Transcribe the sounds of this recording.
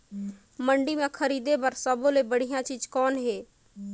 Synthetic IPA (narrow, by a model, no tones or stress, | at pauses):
məɳɖimẽkʰəɾiːd̪ebəɾsəbolebəɽ̤ijãt͡ʃiːd͡ʒkɔːnɦeː